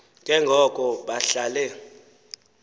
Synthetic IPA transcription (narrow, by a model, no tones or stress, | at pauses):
ŋɡ̥ʱɛŋɡʱɔkʼɔɓaɬalɛ